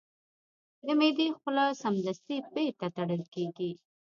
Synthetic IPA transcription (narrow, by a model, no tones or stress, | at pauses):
d̪əmed̪ixəlɑsamd̪ast̪ibet̪at̪aɽəlkeɡi